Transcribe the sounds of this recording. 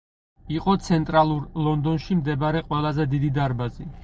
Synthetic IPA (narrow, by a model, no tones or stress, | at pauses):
iqʼɔt̪sʰɛnt̪ʼɾalˠuɾlˠɔnd̪ɔnʃimd̪ɛbaɾɛqʼwɛlˠazɛd̪id̪id̪aɾbazi